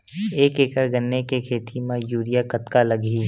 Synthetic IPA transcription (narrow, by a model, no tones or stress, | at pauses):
eːkeːkəɾɡənːekekʰeːt̪ʰimãjuːɾijakɐt̪kalɐɡʱiː